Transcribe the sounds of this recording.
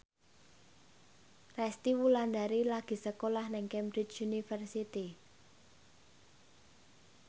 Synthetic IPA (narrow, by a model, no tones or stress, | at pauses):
rɛst̪iwuland̪aɾilaɡ̥i̤səkolahnɛŋkɛmbɾit͡ʃunifərsit̪i